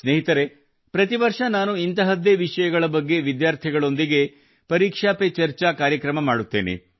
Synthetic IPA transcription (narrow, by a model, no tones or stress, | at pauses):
sneːɦit̪ɐɾe̞ | pɾɐt̪iʋɐɾʂɐnaːnuint̪ɐɦɐd̪eʋiʂɐjɐɡɐɭɐbɐɡːe̞ʋid̪jaːɾt̪ʰiɡɐɭo̞nd̪iɡe̞ | pɐɾiːkʂaːpet͡ʃɐɾt͡ʃakaːɾjɐkɾɐmɐmaːɽut̪ːeːnḛ